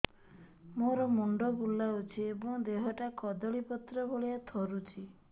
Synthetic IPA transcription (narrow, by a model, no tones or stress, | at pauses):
moɾɔmuɳɖɔbulːaut͡ʃʰiebɔ̃ŋd̪eɦɔʈakɔd̪ɔɭipɔt̪ɾɔbʱoɭijat̪ʰɔɾut͡ʃʰi